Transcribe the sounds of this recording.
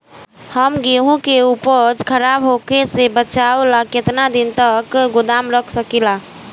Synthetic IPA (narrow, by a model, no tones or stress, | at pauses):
həmɡeɦũkeupəd͡ʒkʰəɾabɦokesebət͡ʃaolaket̪nad̪int̪əkɡud̪amɾəkʰsəkila